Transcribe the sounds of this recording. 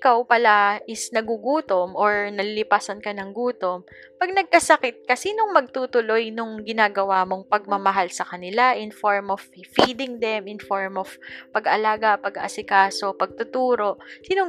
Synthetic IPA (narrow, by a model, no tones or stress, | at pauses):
ʔɪkawpɐlaʔɪsnɐɡuɡuːt̪omʔoɹnɐlɪlɪpaːsɐnkɐnɐŋɡuːt̪o̞m | pɐɡ̚nɐɡ̚kɐsɐkɛt̪̚kɐsiːnoŋmɐɡ̚t̪uːt̪ʊlo̞jnoŋɡɪnaːɡɐwaːmo̞ŋpɐɡ̚mɐmɐɦalsɐkɐnɪlaʔɪnfoɹmov̥fiːd̪ɪŋd̪ɛmɪnfoɹmov̥pɐɡʔɐlaːɡɐpɐɡɐʔɐsɪkaːso̞pɐɡ̚t̪ʊt̪uːɾo̞ʔsiːnoŋ